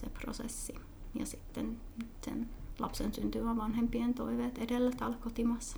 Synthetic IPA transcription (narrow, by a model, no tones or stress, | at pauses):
sḛpro̰sḛsːi | jɑ̰sit̪ːennyt̪sḛnlɑ̰psensynt̪yʋæʋɑnhempient̪o̰iʋeːt̪edelːæt̪ɑlkot̪imɑsːɑ̥